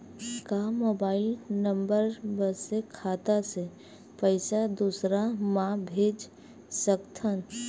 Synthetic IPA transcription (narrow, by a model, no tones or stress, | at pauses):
kamoːbaːɪlnə̃mbəɾbəsekʰaːt̪ase | pəɪsad̪uːsɾamãbʱeːd͡ʒ | səkt̪ʰən